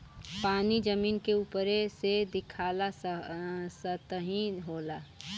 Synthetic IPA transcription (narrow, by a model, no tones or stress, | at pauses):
paːnid͡ʒəmiːnkeuːpɾesed̪ɪkʰaːla | sət̪əɦĩɦoːla